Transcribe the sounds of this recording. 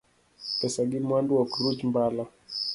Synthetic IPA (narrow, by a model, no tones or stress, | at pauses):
tɛsaɡimwanduwakuɾud͡ʒmbala